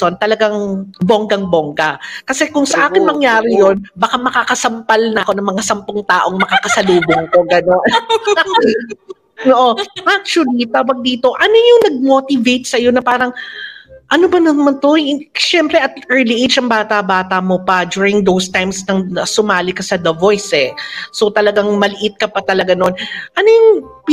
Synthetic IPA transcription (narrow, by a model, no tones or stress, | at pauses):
ont̪ɐlɐɡaŋboŋɡɐŋboŋɡɐkɐsɛkʊŋsɐʔaːkɪnmɐŋjaːɾɪjo̞nbɐkamɐkakɐsɐmpalnɐʔɐko̞nɐŋmɐŋasɐmpoŋt̪aːʔo̞ŋmɐkaːkɐsɐluːboŋko̞ɡɐno̞nak̚t͡ʃl | noʔo̞ʔak̚t͡ʃʊʊlit̪aːwɐɡ̚d̪iːt̪o̞ʔɐnojʊŋnɐɡ̚mo̞ːt̪ɪvejt̪̚sɐjo̞nɐpaːɾɐŋ | ʔɐnobɐnonmɐnt̪o̞jʃɛmpɾɛʔɐt̪̚ʔɛɹliʔejd͡ʒɐŋbaːt̪ɐbaːt̪ɐmo̞pɐd͡ʒuːɹɪŋd̪owst̪ajmsnɐŋɐsʊmaːlɪkɐsɐd̪ɐvo̞jsɛso̞t̪ɐlɐɡaŋmɐlɪʔɪt̪̚kɐpɐt̪ɐlɐɡanonʔɐnojʊŋ